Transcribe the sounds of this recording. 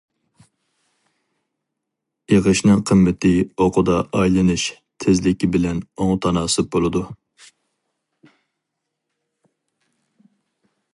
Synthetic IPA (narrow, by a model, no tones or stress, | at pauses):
eʁəʃnɨŋqʰəmːɪt̪ʰɪoqʰʊd̪ɑʔɑjlˠɨnɨʃ | t̪ʰɪzlɪkʲibɪlɛnoŋt̪ʰɑnɑːsɨp̚bolˠɨd̪u